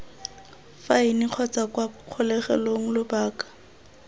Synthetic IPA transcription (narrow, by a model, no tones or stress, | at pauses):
fainiq͡χʰɔt͡sakwaq͡χʰʊlɛχɛ̰loŋ̩lʊbaːkḁ